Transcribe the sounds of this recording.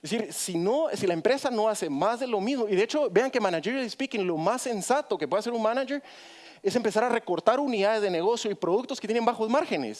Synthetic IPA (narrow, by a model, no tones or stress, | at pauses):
esiɾsino̞silaempɾe̞sano̞ase̞mazðe̞lo̞mizmoiðe̞et͡ʃo̞be̞aŋke̞manad͡ʒeɾoespikiŋlo̞masːe̞nsat̪o̞kepwe̞ðas̬eɾunmanad͡ʒeɾ | e̞se̞mpe̞saɾare̞ko̞ɾt̪aɾuniðaðe̞zðene̞ɣo̞sjo̞ipɾo̞ðuk̚t̪osket̪jene̞mbaxozmaɾxe̞ne̞̰s